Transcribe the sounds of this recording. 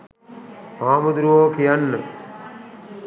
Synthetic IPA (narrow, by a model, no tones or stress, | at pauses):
aːmud̪ɾuʋoːkijanːə